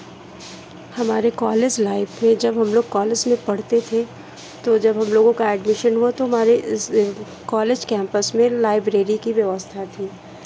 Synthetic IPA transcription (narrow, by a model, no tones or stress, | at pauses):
hɐmaːɾekaːled͡ʒlaːɪbmẽd͡ʒɐbɦɐmloːɡ̚kaːled͡ʒmẽpɐɽ̤t̪et̪ʰe | t̪od͡ʒɐbɦɐmloːɡõkaɛɖmɪʃənɦuat̪oɦɐmaːɾeɪs | kaːleːd͡ʒkɛ̃ːmpəsmẽlaːɪbɾeːɾikiʋjɐʋəst̪ʰat̪ʰiː